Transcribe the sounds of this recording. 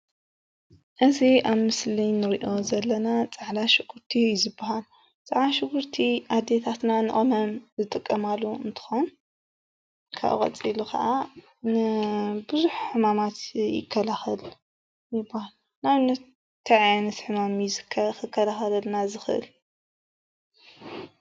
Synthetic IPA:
ʔɨziʔaβmɨslinɨɾiʔo̞zɐlːɐnat͡sʼaʕlaʃɨɡ̥uɾt̪ʰijzɨbːahal | t͡sʼaʕlaʃɨɡuɾt̪ʰiʔad̪et̪ʰat̪nanɨʔʼomɐmzɨt̪ʼɨkʼːɐmalːuɨnt̪ʰɨ̥xon | kʰa̰ʔkʼɐ̰t͡sʼilukʰɐʔa | nɨbɨzuħħɨmamat̪jɪ̰kʰːɐlaxɐl | jɪbːahal | naβnɐt̪̚ | t̪ʰaʕjnɨsħɨmamizɨkʰkɨkʰːɐlaxɐlɐlnazɨxɨʔɨ̰l

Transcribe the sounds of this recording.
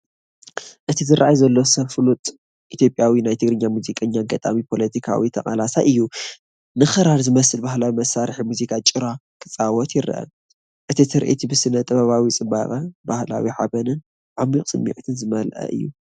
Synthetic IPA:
ʔɨt̪ʰizɨɾaʔajzɐlːo̞sɐflut̪ʼ | ʔit̪jo̞pʼjawinajt̪ʰɨɡɾɨɲːamuzikʼɐɲːaɡɐt̪ʼa̰mipʰo̞lɐt̪ʰikʰa̰wit̪ʰɐχʼalasaʔɨjːu | nɨxɨɾaɾzɨmɐsɨlbahlawimɐsːaɾħimuzikʰat͡ʃʼɨɾakʰɨt͡sʼawɔt̪jɪɾ̰ʔɐ̰ | ʔɨt̪ʰit̪ʰɨɾʔḭt̪ʰibɨsɨnːɐt̪ʼɐβaβawit͡sʼɨba̰kʼɐbahla̰wiħabɐnɨn | ʕamːikʼsʼɨmːḭʕt̪ʰɨnzɨmɐlʔɐ̰ʔɨ̰jːṵ

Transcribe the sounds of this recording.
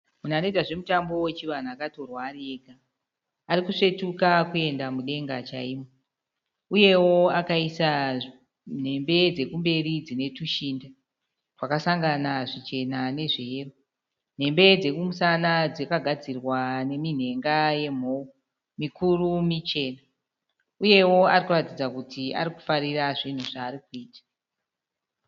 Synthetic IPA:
mun̤anetaʐe̞mutambo̞wet͡ʃiʋan̤akato̞rwareɡʱaː | rikuʂe̞tukakue̞ndamuɗe̞ŋɡat͡ʃa̰imo | uje̞woakaisa | n̤e̞mbe̞d͡ze̞kumbe̞rid͡zine̞tuʃinda | rwakasaŋɡanaʐit͡ʃe̞nane̞ʐeero | n̤e̞mbe̞d͡ze̞kumusanad͡zekaɡʱad͡zirwane̞min̤e̞ŋɡaje̞m̤o̞u | mikurumit͡ʃe̞ːna | uje̞wo̞arikuratid͡zakutʰia̰ɾiku̥fariraʐin̤uʐaːrikuiːtḁ

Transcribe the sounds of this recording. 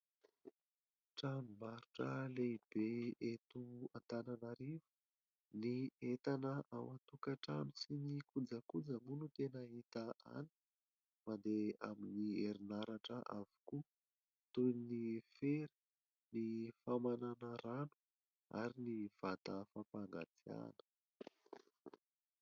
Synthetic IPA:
ʈ͡ʂamimaɾuʈ͡ʂəleib̥eet̪uant̪ananaɾiv̥u | niet̪anəʔawat̪ukaʈ͡ʂamisinikud͡zəkud͡zəmunut̪enaɦit̪əʔa̰ni̥ | mand̪eaminieɾinaɾaʈ͡ʂəʔavu̥ku | t̪ujnifeɾu̥ | nifamananəɾanu̥ | a̰ɾiniv̥at̪əfapaŋɡa̰t͡sia̰nə̥

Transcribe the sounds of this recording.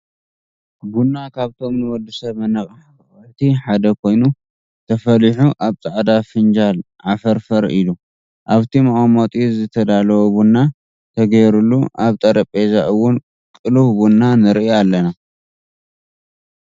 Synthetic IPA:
bunːakʰaβt̪ʰo̞mnɨwɔd̪ːisɐβmɐnɐχʼħ | χʼɨħt̪ʰiħad̪ɐkʰo̞jnu | t̪ʰɐfɐliħuʔaβt͡sʼaʕd̪afɨnd͡ʒal | ʕafɐɾfɐɾilu | ʔaβt̪ʰimɐχʼamot̪ʼizɨt̪ʰɐd̪alɐwobunːa | t̪ʰɐɡɐjɾulːuʔaβt̪ʼɐɾɐpʼezaʔɨwʊn | kʼɨluhbunːanɨɾijalːɐna

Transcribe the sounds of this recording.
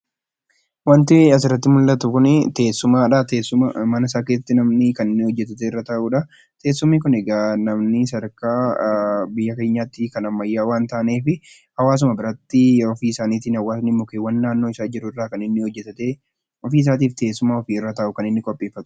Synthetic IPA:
wɐnt̪ɪɐs̬ɪrːɐt̪ːɪmʊlːɐt̪ʊkʊnɛt̪eːsːʊmaːᶑɐt̪eːsːʊmɐmɐnɐɪsaːkesɐt̪ːɪnɐmnɪkɐnɪnːɪhɔd͡ʒːɛt̪ɐt̪eɪrːɐt̪ɐʔuːᶑɐ | t̪e̞ːsːʊmːɪkʊneːɡaːnɐmnɪsɐɾkaː | bɪjːɐke̞ːɲːaːt̪ːɪkɐnɐmːɐjːaːwaːnt̪ɐːneːfɪ | hɐwaːs̬ʊmɐbɪɾɐt̪ːɪɔfiːɪsaːniːt̪ɪnhɐwaːsnɪmːʊkeːwːɐnːaːnːoːɪsaːd͡ʒɪɾʊɪrːaːkɐnɪnːɪhɔd͡ʒːɛt̪ɐt̪e | ɔfiːs̬aːt̪̬iːft̪e̞ːsːʊmaːɔfiːɪrːɐt̪ɐʔʊkɐnɪnːɪkʼɔpʼːeːfːɐt̪ʊ̥

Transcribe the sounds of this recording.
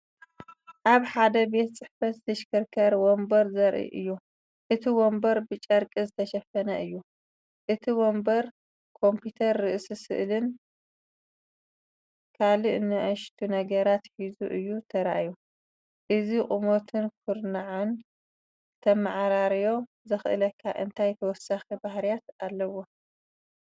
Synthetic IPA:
ʔaβħad̪ɐbe̞t̪t͡sʼɨħfɐt̪zɨʃkʰɨɾkʰɐɾwombɐɾzɐɾʔḭʔɨ̰jːu | ʔɨt̪ʰiwombɐɾbɨt͡ʃʼɐɾkʼizɨt̪ʰɐʃɐfɐnɐʔɨjːu | ʔɨt̪ʰiwombɐɾ | kʰo̞mpʰit̪ʰɐɾːɨʔsisɨ̰ʔlɨn | kʰaliʔɨnːɨʔɐʃt̪ʰunɐɡɐɾat̪ħizuʔɨjːut̪ʰɐɾaʔaju | ʔɨzikʼumo̞t̪ʰɨnkʰuɾnaʕun | ɨt̪ʰɐmaʕɾaɾjo̞ | zɨxɨʔɨlɐkʰːa̰ʔɨnt̪ʰajt̪ʰɐwɔsaxibahɾijat̪alːɐwo̞

